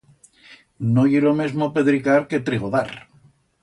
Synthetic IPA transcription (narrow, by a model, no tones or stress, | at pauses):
nojiɾomezmopeðɾikaɾket̪ɾiɣoða̰ɾ